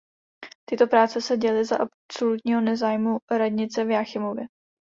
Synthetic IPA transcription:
t̪ɪt̪o̞pɾaːt͡sɛsɛɟɛlɪzaʔa | so̞lut̪ɲiːɦo̞nɛzaːjmuɾadɲɪt͡sɛvjaːxɪmovjɛ

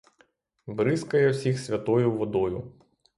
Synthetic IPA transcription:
bɾɪskɐjɛwsʲixsʲʋʲɐt̪ɔjʊʋɔd̪ɔjʊ

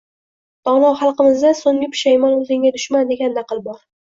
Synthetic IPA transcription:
t̪ʰɒnɒwχɑlˠqɨmɪzd̪asʊnmɪpʰʃajmɒnʊzɪŋɡʲad̪ʊʃmand̪e̞ɡʲanːɑqɨlˠbɒɾ

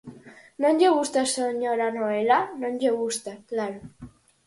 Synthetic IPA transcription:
nõɲʎeɣust̪asoɲoɾanoelanõɲʎeɣust̪aklaɾo

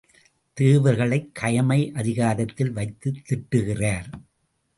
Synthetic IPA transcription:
t̪eːʋɐɾɣɐɭɐɪkʰːɐjɐmɐɪʔɐðɪɣaːðɐt̪ːɪlʋɐɪt̪ːɯt̪ːɪʈːɯɣɪraːɾ

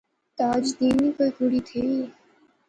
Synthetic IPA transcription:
t̪aːd͡ʒd̪iːnikoːikuɽit̪ʰei

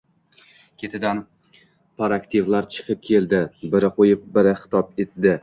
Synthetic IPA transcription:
kʲʰet̪ʰɪd̪an | pʰaɾakt̪ʰivlaɾt͡ʃʰɨ̥qʰɨp̚kʲʰe̞ld̪ɪbɪɾɪqʰojɪp̚bɪɾɪχɪ̥t̪ʰɒp̚et̪̚d̪ɪ

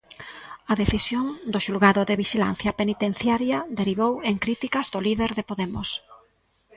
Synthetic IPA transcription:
ɐðeθisjoŋd̪ʊʃulɣaðʊðeβiʃila̰n̟θjɐpenit̪en̟θjaɾjɐd̪eɾiβoweŋkɾit̪ikɐzðʊliðeɾðepoðemʊs

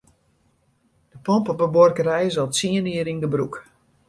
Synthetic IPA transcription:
d̥əpɔmpɔpəbɔrkərɛjzɔlˠtsiəniəɾinɡəbruk

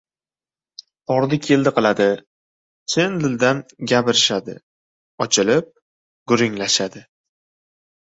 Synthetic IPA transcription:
ɒɾd̪ɪkʲʰeld̪ɪqɨlˠad̪ɪ | sʰend̪ɪld̪anɡʲapɪɾɪʃad̪ɪ̰ | ɒt͡ʃʰɪlɪp̚ | ɡ̥ʊɾɪŋlaʃad̪ɪ

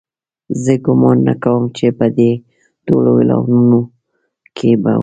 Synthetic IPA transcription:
zəɡʊmɑnːa̰kawəmt͡ʃepəd̪e | t̪olowila̰wnuno | kʰeba̰

